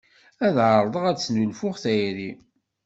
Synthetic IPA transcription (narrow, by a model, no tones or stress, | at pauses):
æðʕəɾˤðˤəʁæt͡sːnulfʊχθæjɾi